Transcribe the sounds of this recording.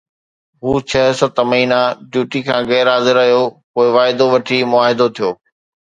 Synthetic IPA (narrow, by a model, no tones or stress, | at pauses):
ɦuːt͡ɕʰɐɦsət̪mɐɦiːnaɖjuːʈikʰãːɣɛːɾɦaːzɪɾɐɦijokoːɪʋaːɪd̪oʋɐʈʰimʊaːɦɪd̪ot̪ʰijoː